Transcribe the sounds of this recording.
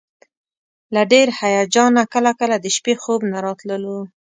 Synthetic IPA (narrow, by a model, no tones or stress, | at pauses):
laɖeɾhajɑd͡ʒɑnakəlakəlad̪əʃpexobnaɾɑt̪ləlu